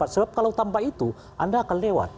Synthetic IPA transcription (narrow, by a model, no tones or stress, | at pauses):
asəbap̚kalawt̪ampait̪u | ʔandaːkanlewa̰t̪̚